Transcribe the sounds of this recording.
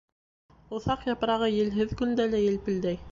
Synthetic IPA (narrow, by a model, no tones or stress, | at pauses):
ŏθɑqjɑpɾɑʁɤjɘ̆lɦɘðkɵ̆nd̪ælæjɘ̆lpɘ̆ld̪æj